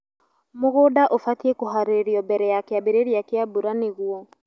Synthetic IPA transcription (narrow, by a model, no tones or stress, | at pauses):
moɣoːdaʔofatiekoɦaɾeɾiɔbɛɾɛjakeabeɾeɾiakeabuɾaneɣuɔ